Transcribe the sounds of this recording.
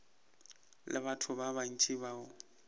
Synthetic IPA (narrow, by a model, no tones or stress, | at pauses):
lʔɪ̰batʰʊbaban̩t͡ʃʼɪbaːʊ